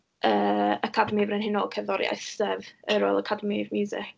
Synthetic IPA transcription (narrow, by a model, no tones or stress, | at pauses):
əːakʰadəmivrɛnhɪnɔkʰɛvðɔɾja̰jθsɛvəɾo̰ːlˠəkʰadəmivmuzɪ̰k